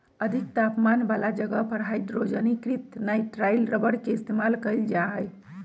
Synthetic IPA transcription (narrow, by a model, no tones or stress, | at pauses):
əd̪ʱikt̪apmanbalad͡ʒəɡəpəɽ̤ajd̪ɾod͡ʒənikɾit̪najʈɾajlɾəbəɽkeist̪emalkəld͡ʒaɦəj